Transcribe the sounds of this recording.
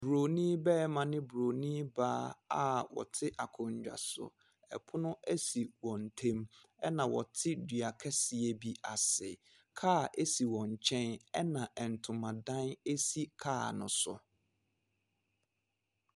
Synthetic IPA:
bɾo˨nĩ˦bɛː˦˨mã˨nɪ̃˦bu˨ɾo˨nĩ˦baː˦a˨wɔ̰˨tʰɪ˦ʔa˨kʰʊ̃˨ɲ˨d͡ʑᶣa̰˨sʊ̰˨ | ɛ̰˨pʰʊ˦nʊ̃˦æ˦si˨wɔ̃˨n˨tʰẽ˦m | ɛ˦nã˨wɔ̰˨tʰɪ˦dɥa˨kʰɛ˦sɪ˨e˨bi˨a˨sɪ˨ | kʰaː˦˨ʔe˦si˨wɔ̃˨ɲ˨t͡ɕʰɛ̃˦nɛ˦nã˨ʔɛ˨n̩˨tʰʊ̃˨mã˨dã˦ne˦si˦kʰaː˦˨nʊ̃˨sʊ̰˨

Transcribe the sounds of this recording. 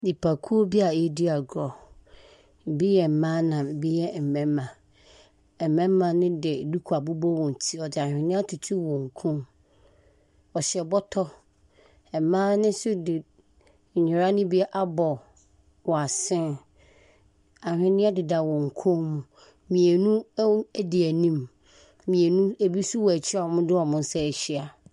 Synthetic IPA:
di˨pʰa˨kʰu˦o˦bi˦a˨e˦di˦a˨ɡɾɔ˨ | bi˦jɛ˨m̩˨mãː˦nã˨m˨bi˦jɛ˦˨m̩˨mɛ̃˦mːã˨ | ɛ˨mɛ̃˦mã˨nɪ̃˦dɪ˨du˦kʰu˨a˨bu˦bɔ˦wɔ̃˨n˨tʰi˦ɔ˨dɪ˨a˨hᶣɪ̃˨nɪ̃˦a˦tʰu˨tʰi˦wɔ̃˨ŋ̩˨kʰũ˦m | ɔ˨ɕɛ˨bɔ˦tʰɔ˦ | ɛ˨mã˦nɪ̃˦sʊ˦dɪ˨ | ɲɪ˨ɾa˦nʊ̃˦bi˦a˦ʔa˦bɔ˨ | wɔ˨a˨sɪ̃˦n | a˨hᶣɪ̃˨nɪ̃˦a˦dɪ˨da˨wɔ̃˨ŋ̩˨kʰũ˦mũ˨ | mĩ˨e˨nũ˦æ˦di˨æ˨nĩ˦m | mĩ˨e˨nũ˦æ˨bi˦su˦wɔ˨æ˨t͡ɕʰɪ˦a˦˨ɔ˨mʊ̃˦dɪ˦ɔ˨mʊ̃˦n̩˦sɛ˦ɛ˨ɕi˦a˨

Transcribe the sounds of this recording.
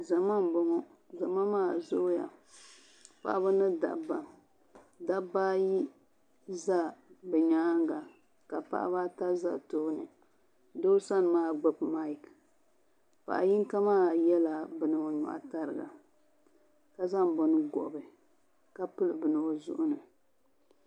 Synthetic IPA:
za˨ma˦m˨bɔ˦ŋɔ˦za˨ma˦maː˦˨zo˦ja̰˨ | pa̰˨ʔa˦ba˦nɨ˦da̰˨ba˨ | da˦ba˦ji˦ | za˦bɛ˨ɲaː˦ŋɡa˨ | ka˨pa̰˦ʔa̰˦ba˦ta˦za̰˦toː˦nɨ˨ | do˦sa˦n˨maː˦˨ɡ͡bo˦pma˦i˨k | pa̰˨ʔa˨ji˦ŋ˦ka˦maː˦˨jɛ˦la˨bɨ˨nɨ˨o˨ɲɔ̰˨ʔa̰˨ta˦ɾɨ˨ɡa̰˨ | ka˦za˦m˨bɔ˨nɨ˦ɡɔ̰˨bɨ˨ | ka˦pɨ˦lɨ˨bɨ˨nɨ˨o˨zʊ̰˦ʔʊ˦nɨ˨

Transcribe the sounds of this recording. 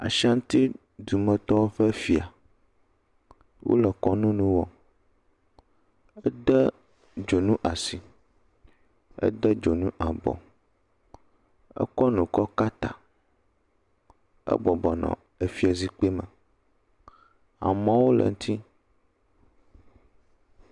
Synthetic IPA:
a̰˨ʃa˦ŋ̩˦t̪i˦ | d̪u˨mə̃˨t̪ɔ˦wo˦ɸə˦fi˨a˨ | wʔo̰˦lə˨kɔ˦nũ˦nũ˦wɔ˨ | ə˦d̪ə˦ | d͡ʒo˨nũ˦ʔa˨si˨ | ə̰˦d̪ə˦d͡ʒo˨nũ˦ʔa˨bɔ̰˨ | ə̰˦kɔ˦nũ˨kɔ˦ka˦t̪a˨ | ə̰˦bɔ˨bɔ˨nɔ̰̃˨ | e˨fi˦a˨zi˦k͡pe˦mə˨ | a̰˨mã˦wo˦lə̰˨ŋũ˦t̪ʰi˦

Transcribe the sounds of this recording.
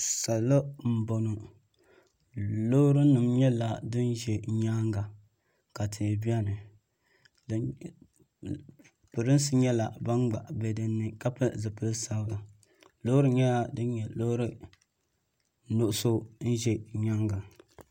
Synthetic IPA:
sa˨lla˦m̩˨bo˨no˨ | lo˦ɾɨ˦nɨ˨mɲɛ˦la˨dɨ˦n˦ʒɛ˨ɲaː˦ŋɡa˨ | ka˨tʰɪ˨bi˦a˦nɨ˨ | d | pɨ˨ɾɨ˦n˦sɨ˦ɲɛ˦la˨ba˦nɡ͡ba̰˨ʔbɛ˨dɨ˨nːɨ˨ka˦pɨ˦zɨ˨pɨ˦lsa˦ba˨ | lo˦ɾɨ˦ɲɛ˦la˨dɨ˦n˦ɲɛ˨lo˦ɾɨ˦ | no˨ʔʊ˦so˦n̩˦ʒɛ˨ɲa˦ŋɡa˨

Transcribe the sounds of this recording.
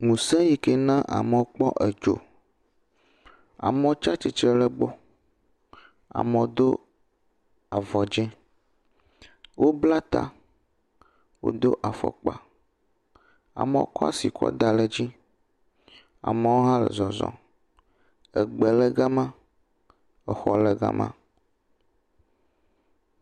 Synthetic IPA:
ŋũ˨sɛ̃˦ji˦ke˦nã˦ʔa̰˨me˨wo˦k͡pɔ˦ʔɛ˨d͡ʒo̰˨ | a̰˨me˨˦t͡ʃa˦t͡ʃi˨t͡ʃɾɛ˦lɛ˦ɡ͡bɔ˦ | a̰˨mẽ˨o˦d̪o˦ | a˨vɔ˨d͡ʒɛ̃˦ | wʔo˦bla˦t̪a̰˦ | wo̰˦d̪o˦ʔa˨fɔ̰˨k͡pa˨ | a̰˨mẽ˦o˦kɔ˦a̰˦si˨kʰɔ̰˦d̪a˨le˦d͡ʑi˦ | a̰˨me˨wo˦ɦã˦lɛ̰˨zɔ˨zɔ̰̃˨ | ɛ˨ɡ͡bɛ˨lɛ˦ɡa˦mã˦ | ɛ˨xɔ˨lɛ˦ɡa̰˦mʔã̰˦

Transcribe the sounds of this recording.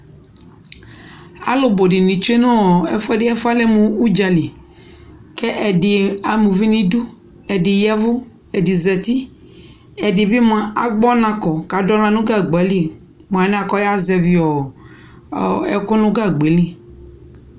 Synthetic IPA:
a̰˨lo˨bo˨ɖɪ˨nĩ˨t͡ʃu˦e˦nõ˦ɔ˨ɛ̰˦fɛ˦dɪ˦ɛ˦fa˦lɛ˦mũ˨u˦d͡ʒa˨li˨ | kɛ˦ʔɛ˨dɪ˨a˨mũ˨vi˦nĩ˦du˦ | ɛ˨dɪ˨ja˦vʊ˦ | ɛ˨di˨zɛ˨t̪i˦ | ɛ˨dɪ˨bɪ˦mã˨a˨ɡ͡bɔ˦nã˨kɔ˨ka˨dɔ˦lã˨nũ˦ɡa˦˨ɡ͡ba˨˦li˦˨ | m˨a˨˦nã˨kɔ˦ja˦zɛ˨vi˨ɔ˨ | ɛ̰˨kʊ˦nʊ̃˦ɡa˦˨ɡ͡be˨lĩ˦

